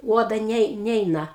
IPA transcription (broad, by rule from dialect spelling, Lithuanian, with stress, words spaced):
ˈuɔdɐ ˈnʲɛɪ ˈnʲɛɪnɐ